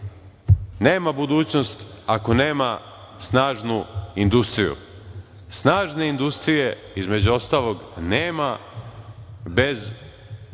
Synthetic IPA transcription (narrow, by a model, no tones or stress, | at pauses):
neːmabud̪uːt͡ɕno̞st̪ako̞neːma | snaːʒnuind̪ust̪ɾijṵ | snaːʒne̞ind̪ust̪ɾije̞ | izme̞d͡ʑuo̞st̪aːlˠo̞ɡneːma | be̞z